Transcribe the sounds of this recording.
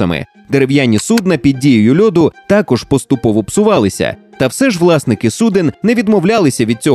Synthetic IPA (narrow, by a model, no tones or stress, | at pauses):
ɐmɪ̰ | d̪eɾewjanʲːisud̪nɐpʲid̪̚ʲdʲijʊjʊlʲɔd̪ʊt̪ɑkɔʒpɔst̪ʊpɔʋɔpsʊʋɑlˠɪsʲɐ̰t̪ɐwsɛʒʋlˠɑsnɪkɪsud̪ɪnːɛʋʲid̪mɔwlʲalˠɪsʲɐʋʲid̪̚t͡sʲɔ